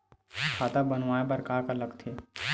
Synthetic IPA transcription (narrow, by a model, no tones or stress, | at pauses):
kʰaːt̪abənʋaːebɐɾkaːkəɾləɡt̪ʰeː